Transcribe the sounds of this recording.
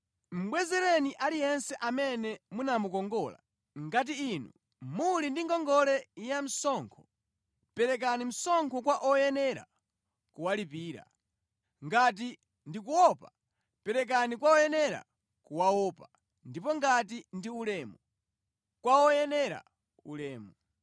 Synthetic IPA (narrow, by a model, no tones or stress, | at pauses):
m̩ɓwɛzɛɾɛniʔalijɛnsɛʔamɛnɛmunamukɔŋɡɔːla̰ | ŋɡat̬iːnṵ | mulindiŋɡɔŋɡɔlɛijam̩sɔŋkʰɔ | pɛɾɛk̬anim̩sɔŋkʰɔkwaʔɔjɛnɛɾa̰ | kuwalipiːɾa̰ | ŋɡat̬i | ndik̬uwɔpa | pɛɾɛk̬anikwaɔjɛnɛɾa̰ | kuwawɔːpa | ndipɔŋɡatindiulɛːmu | kwaɔjɛnɛɾa̰ | ulɛːmu